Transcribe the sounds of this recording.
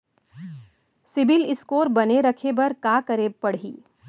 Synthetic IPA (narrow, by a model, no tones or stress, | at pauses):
sɪbɪlɪskoːɾbɐneɾɐkʰebɐɾkaːkəɾeːpɐɽɦiː